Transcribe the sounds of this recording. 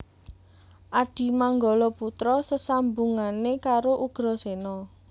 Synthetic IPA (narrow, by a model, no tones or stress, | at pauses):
ʔaɖ̥i̤maŋɡɔlɔput̪ɾɔsəsambuŋanekaɾoʔuɡ̥ɾɔsenɔ